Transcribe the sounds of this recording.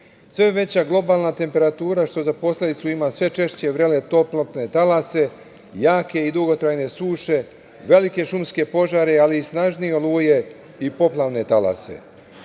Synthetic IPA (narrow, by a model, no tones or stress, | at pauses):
sʋe̞ʋe̞t͡ɕaɡlˠo̞baːlˠnat̪e̞mpe̞ɾat̪uːɾaʃt̪o̞zapo̞slʲe̞d̪it̪suimasʋe̞t͡ʃe̞ʃt͡ɕe̞ʋɾe̞le̞t̪o̞plot̪ne̞t̪alase̞ | jaːke̞id̪uɡo̞t̪ɾajne̞suːʃe̞ | ʋe̞like̞ʃumske̞po̞ʒaɾealiːsnaʒnijeoluːje̞ | ipo̞plˠaʋne̞t̪ala̰se̞̰